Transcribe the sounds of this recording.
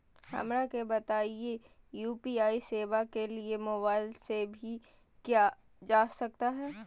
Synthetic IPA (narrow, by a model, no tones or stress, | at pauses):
hɐ̰mɾakebɐt̪aːie | juːpiaːiseːʋakeliemoːbaːɪlsebʱi | kjaː | d͡ʒaːsɐk̚t̪aɦɛː